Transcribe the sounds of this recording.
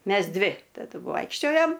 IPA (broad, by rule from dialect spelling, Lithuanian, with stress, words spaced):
ˈmʲɛs ˈdʲʋʲɪ tɐˈdʊ ˈʋoːɪkʃʲt͡ʃʲoːjoːm